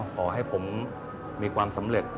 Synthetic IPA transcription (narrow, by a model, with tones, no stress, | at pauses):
kʰɔː˩˦ɦa˥˩jpʰo˩˦mː | iː˧kʰwaː˧msa˩˦mɾe˨˩t̪̚